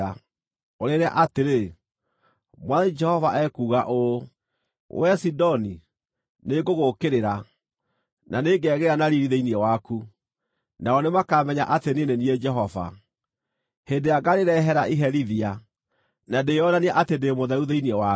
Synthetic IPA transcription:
a | oɾeɾa̰ʔateɾe | mwaðɛɲid͡ʒɛhɔvaʔɛkuːɣaʔo | wɛsidɔni | neɡoɣokeɾeɾa | naneːɡɛɣeɾeɾanaɾiɾiðeiniɛwaku | naɔnemakamɛɲa̰ʔatenenenied͡ʒɛɦɔva̰ | hendeaɡaɾeɾɛɦɛɾaʔiɦɛɾiðia | nadejɔnaniaʔatendemoðɛuðeiniɛwa

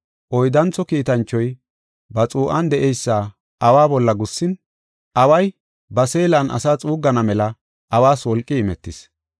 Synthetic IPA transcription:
ʔɔjd̪ɐnt͡sːɔkiːt̪ɐnt͡ʃːɔj | bɐt͡sʼuːʔɐnd̪ɛʔɛjsːaː | ʔɐwaːbɔlːɐɡʊsːɪn | ʔɐwɐj | bɐseːlɐnʔɐ̰saːt͡sʼuːɡːɐnɐmɛlɐ | ʔɐwaːswɔlkʼːɪːmɛt̪ːɪs

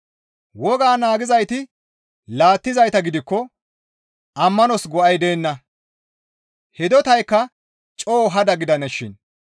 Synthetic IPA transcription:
wɔɡaːnaːɡɪzɐjt̪ɪ | laːt̪ːɪzɐjt̪ɐɡɪd̪ɪkːɔ | ʔɐmːɐnɔsɡɔʔɐjd̪e̞ːnːɐ | hɛd̪ɔt̪ɐjkːɐ | t͡ʃʼoːɦɐd̪ɐɡɪd̪ɐnɛʃɪ̰n

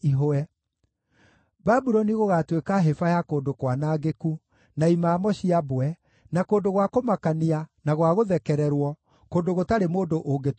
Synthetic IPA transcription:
iɦoɛ | babuɾɔniɣoɣatwekaɦefajakoːndokwanaːɡeku | naimaːmɔɕiabwɛ | nakoːndoɣwakomakanianaɣwaɣoðɛkɛɾɛɾwɔ | koːndoɣotaɾemoːndoʔoɡet

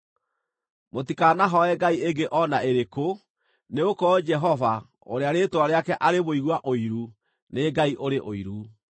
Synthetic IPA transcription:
motikanaɦɔɛɡaieɡeʔɔnaeɾeko | neokɔd͡ʒɛɦɔva | o̰ɾeaɾetwaɾeakɛʔaɾeβoiɣwaʔoiɾu | neɡaiʔoɾeʔoiɾu

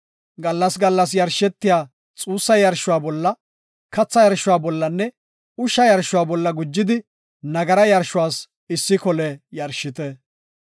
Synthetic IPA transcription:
ɡɐlːɐsɡɐlːɐs̬jɐɾʃɛt̪ːɪjaː | t͡sʼuːsːɐjɐɾʃʊwaːbɔlːɐ | kɐt͡sːɐjɐɾʃʊwaːbɔlːɐnːɛ | ʊʃːɐjɐɾʃʊwaːbɔlːɐɡʊd͡ʒːɪd̪ɪ | nɐɡɐɾɐjɐɾʃʊwaːs | ɪsːɪkɔlɛjɐɾʃɪt̪ɛ

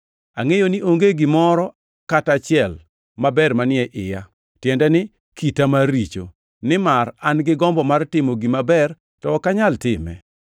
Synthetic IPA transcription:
a̰ŋejoniʔoŋɡeɡɪmɔɾɔ | katat͡ʃɪɛl | mabɛrmanɪɛʔɪ̰ja | tjɛndɛnɪ | kitamaɾit͡ʃo̰ | nɪmaranɡɪɡɔmbɔmartɪmoɡimabɛr | tɔːkaɲaltɪmɛ̰

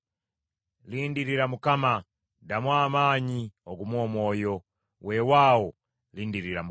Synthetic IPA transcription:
lindiɾiɾamukama | damwamaɲioɡumwɔmɔːjɔ | wʔɛwawɔ | lindiɾiɾamu

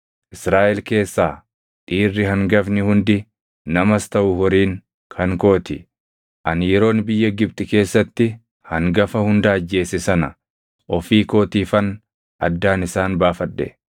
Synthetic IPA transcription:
ʔɪsɾaːʔɛlke̞ːsːaː | t̪ʼiːrːɪɦɐŋɡɐfnɪhʊnd̪ɪ | nɐmɐst̪ɐʔʊhɔɾiːŋ | kʰɐŋko̞ːt̪ɪ | ʔɐnjɛɾo̞ːnbɪjːɐɡɪb̚t̪ʼɪke̞ːsːɐt̪ːɪ | hɐŋɡɐfɐhʊnd̪aːɐd͡ʒːe̞ːsɪsɐnɐ̰ | ʔɔfiːko̞ːt̪iːfɐn | ʔɐd̪ːaːnɪsaːnbaːfɐᶑːɛ̰

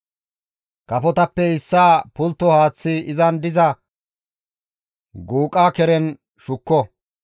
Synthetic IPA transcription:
kɐfɔt̪ɐpːɛɪsːaːpʊlt̪ːɔhaːt͡sːɪɪzɐnd̪ɪzɐ | ɡuːkʼːaːkɛɾɛn | ʃʊkːɔ

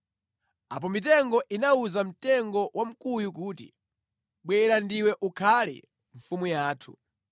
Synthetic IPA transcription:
ap̬ɔmitɛŋɡɔʔinauzam̩tɛŋɡɔwam̩kujukuːtḭ | ɓwɛɾandiwɛʔukʰalḭ | ɱ̩fumujaːtʰṵ

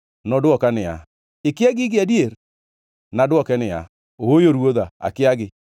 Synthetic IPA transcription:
nɔdoɔkanɪja̰ | ekɪaɡɪɡɪadieɾ | nadwɔkɛnɪja̰ | oojoɾwoðaa̰kɪaɡɪ

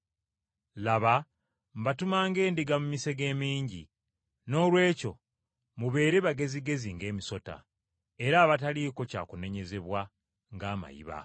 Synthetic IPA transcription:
laβa | mbatumaːŋɡe̞ːndiɡamumise̞ɡe̞ːmiːɲɟḭ | no̞ːlwe̞ːco̞ | muβe̞ːɾe̞βaɡe̞ziɡe̞ziŋɡe̞ːmiso̞ta̰ | e̞ɾaːβataliko̞ca̰ːkune̞ɲe̞ze̞βwa | ŋɡaːma̰jḭβa̰

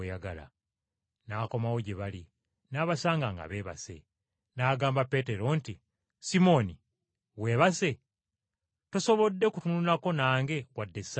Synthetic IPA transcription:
ejaɡa̰la̰ | naːko̞mawoɟeβali | naːβasaːŋɡaŋɡa̰βe̞ːβa̰se̞̰ | naːɡaːmbape̞ːte̞ɾo̞nti | simo̞ni | we̞ːβase̞ | toso̞βo̞dːe̞kutunulako̞naːŋɡe̞wadːe̞sa

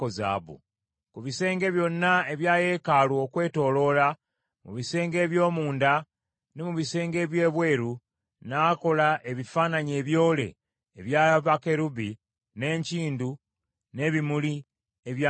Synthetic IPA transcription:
oza̰ːβṵ | kuβise̞ːŋɡe̞βjo̞nːae̞βjaːje̞ːkalwokwe̞ːto̞ːlo̞la | mṵβise̞ːŋɡe̞ːβjo̞ːmuːnda | nemuβise̞ːŋɡe̞ːβje̞ːβwe̞ːɾu | naːko̞laʔe̞βifaːnaɲe̞ːβjo̞ːle̞̰ː | βjaːβake̞ɾubi | ne̞ɲciːndu | ne̞βimuli | eβja

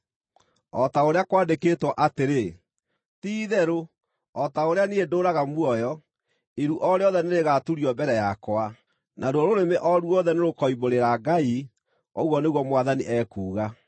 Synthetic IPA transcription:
ɔtaoɾeakwaːndekeːtwɔʔateɾe | tiːðɛɾo | ɔtaoɾeaniedoːɾaɣamwɔjɔ | eɾuʔɔɾeɔðɛneɾeɣatuɾiɔbɛɾɛjakwa | nʔaɾwɔɾoɾemeʔɔɾuɔðɛneɾokɔiboɾeɾaɡai | ɔ̰ɣwɔneɣwɔmwaðaniʔɛːkuːɣa

